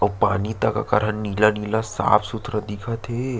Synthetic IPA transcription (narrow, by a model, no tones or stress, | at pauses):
ɐpaːnit̪aka̰kɐɾənːiːlaniːlasa̰ːpʰsʊt̪ʰɾəd̪ikʰat̪ʰeː